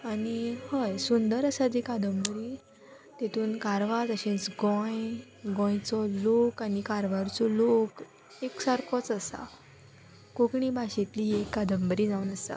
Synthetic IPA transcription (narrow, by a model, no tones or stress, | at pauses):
anihəjsund̪əɾəsad͡zikad̪əmbəɾiː | t̪et̪ʰuːnkaɾʋat̪əɕẽnt͡sɡɔ̃j | ɡɔ̃jt͡sɔlokanikaɾʋaɾt͡sɔlok | eksaɾkʰɔt͡səsa̰ | kokɳiːbaɕet̪liːekːad̪ʱəmbəɾiːd͡zaunəsa̰